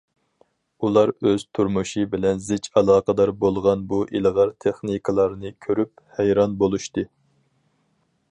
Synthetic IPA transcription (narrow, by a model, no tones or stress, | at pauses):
ulˠɑɾøz̥t̪ʰuɾmuʃɨbɪlɛnzɪt͡ʃɑlˠɑːqəd̪ɑɾbolˠʁɑnbuʔilʁɑɾt̪ʰeχnikʰɨlˠɑɾnɨkʲʰøɾyp̚hæjɾɑnbolˠuʃt̪ɨ